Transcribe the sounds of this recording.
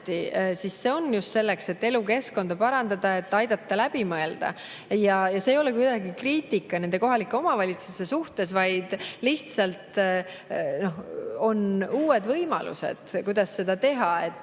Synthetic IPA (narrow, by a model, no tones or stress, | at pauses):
t̪isisːe̞o̞nːjust̪se̞lːe̞kse̞t̪ːe̞luke̞sko̞nd̪̥ɑpɑɾɑnd̪̥ɑd̪̥ɑe̞t̪ːɑjd̪̥ɑt̪ːɑlæb̥imɤe̞ld̪̥ɑ̰ | jɑjɑseːjo̞lekujd̪̥ɑɡikriːt̪ʲikːˑɑne̞nd̪̥e̞ko̞ɦɑlikːˑe̞omɑvɑlʲit̪suse̞suht̪e̞svɑjd̪̥liht̪sɑlt̪ | no̞ho̞nuːe̞d̪vɤjmɑ̰lṵse̞̰d̪̥kujd̪ɑsːe̞d̪̥ɑt̪e̞ɦɑe̞t̪ːˑ